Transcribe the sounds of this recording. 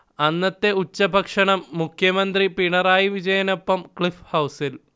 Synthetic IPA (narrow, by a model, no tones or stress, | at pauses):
ɐnːɐt̪ːe̞ut͡ɕːɐbʱɐkʂɐɳɐmːukʰjɐmɐnd̪ripiɳɐraːjiʋid͡ʑɐjɐnopːɐmkɭifhɐwsil